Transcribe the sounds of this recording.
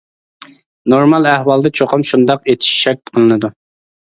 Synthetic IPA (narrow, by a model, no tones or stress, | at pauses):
noɾmɑlˠæhwɑlˠd̪ɨt͡ʃʰoqʰɑmʃund̪ɑqet̪ʰi̥ʃʃæɾt̪̚qʰəlˠɨnɨd̪u